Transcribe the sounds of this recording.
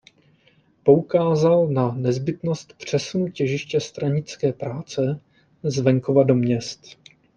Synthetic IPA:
po̞ukaːzalnanɛzbɪt̪no̞st̪pr̝̥ɛsunucɛʒɪʃcɛst̪ɾaɲɪt͡skɛːpɾaːt͡sɛ | zvɛŋkovado̞mɲɛst̪

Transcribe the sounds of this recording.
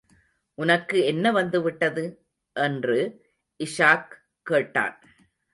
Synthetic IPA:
ʔʊnɐkːɯɛnːɐʋɐnd̪ɯʋɪʈːɐðɯ | ʔɛndrɯ | ʔɪʂaːkː | eːʈːa̰ːn

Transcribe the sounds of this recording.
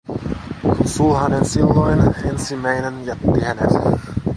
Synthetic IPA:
kunsuːɦɑnensilːojnensimːæjnenjæt̪ːihænḛt

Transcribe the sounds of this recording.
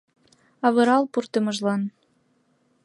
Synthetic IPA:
ɑβɤ̆ɾɑlpurt̪ə̆mə̆ʒlɑn

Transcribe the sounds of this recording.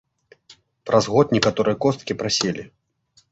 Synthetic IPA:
pɾʔazɣɔt̪̚nʲɛkat̪ɔɾɨjɐkɔst̪kʲipɾasʲelʲi

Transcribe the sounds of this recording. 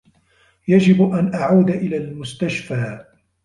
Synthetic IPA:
jad͡ʒɪbʔanʔaʕaːd̪aʔɪlaːlmʊst̪aʃfaː

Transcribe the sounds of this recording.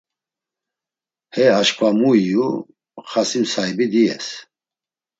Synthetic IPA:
hɛaʃkʰʼvamuiju | χasimsajbid̪iɛ̰s

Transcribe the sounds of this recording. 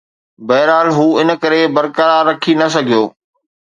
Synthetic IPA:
bɐːɾaːlɦuːɪnkɐɾebɐɾkəɾaɾːɐkʰinɐs̬ɐɡʱijoː

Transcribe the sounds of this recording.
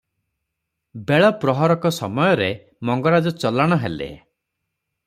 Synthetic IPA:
beɭɔpɾɔɦɔɾɔkɔsɔmɔjɔɾe | mɔŋɡɔɾad͡ʒɔt͡ʃɔlaɽ̃ɔɦḛlḛ

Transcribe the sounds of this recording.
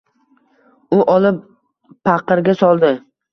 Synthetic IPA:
ʊʔɒlˠɪpː | ɑqɨɾɡʲasɒlˠd̪ɪ

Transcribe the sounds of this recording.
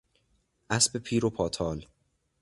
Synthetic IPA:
ʔæsbe̞pʰiːɾopʰɒːt̪ʰɒːl

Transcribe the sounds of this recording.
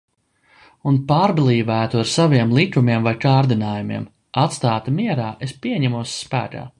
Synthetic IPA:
unpaːɾblˠiːvæːt̪uaɾsaviɛmlˠikumiɛmvajkaːɾd̪inaːjumḭɛm | at̪st̪aːt̪imiɛɾaːʔe̞spiɛɲɛmuɔsːpæ̰ːka̰ː

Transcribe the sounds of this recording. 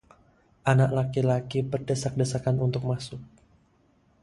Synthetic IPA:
ʔanaklakilakibərdəsak̚dəsakanunt̪ʊk̚masʊk̚

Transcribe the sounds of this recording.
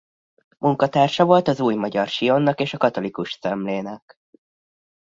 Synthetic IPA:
mʔuŋkɒt̪aːrʃɒvolt̪ɒzuːjmɒɟɒrʃijonːɒkeːʃɒkɒt̪o̞likuʃsɛmleːnɛk

